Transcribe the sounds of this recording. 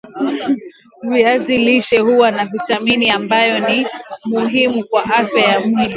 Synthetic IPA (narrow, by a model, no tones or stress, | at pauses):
viaziliʃɛhuwanakutaminiambajɔnimuɦimukwaʔafjajamuhimu